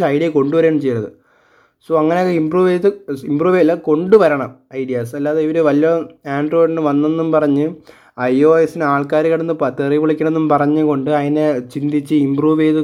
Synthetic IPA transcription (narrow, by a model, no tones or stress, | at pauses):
ɐjɖijɐko̞ɳɖuʋɐɾeːɳɐmt͡ɕe̞jːɐɳɐðɨ̰ | soːɐŋːɐneokːeimbruːʋeːðɨimbruːʋelːɐko̞ɳɖuʋɐɾɐɳɐmɐjɽijasɐlːaːðeiʋɐɾuʋɐlijɐaːɳɖro̞ːjɖinɨʋɐnːenːumpɐrɐɲːɨ | ɐjoːesinaːɭkaːɾiɣɐɽɐnːɨpɐt̪ːeriʋiɭikʲːɐɳɐenːumpɐrɐɲːɨko̞ɳɖɨɐðinet͡ɕind̪it͡ɕːɨimbruːʋeːðɨ